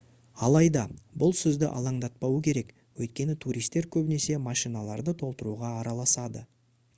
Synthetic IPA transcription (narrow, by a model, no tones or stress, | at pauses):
ɑlˠɑjd̪ɑbʊlˠsʏzd̪ɪʔɑ̰lˠɑɴd̪ɑt̪̚pɑwəkʲʰe̞ɾe̞k | wɵjt̪̚kʲe̞nɪt̪ʰuɾʔijst̪ːe̞ɾkʲʰɵbɪne̞se̞mɑʃijnɑlˠɑɾd̪ət̪ʰo̞lˠt̪əɾuʁɑːɾɑlˠɑsɑd̪ə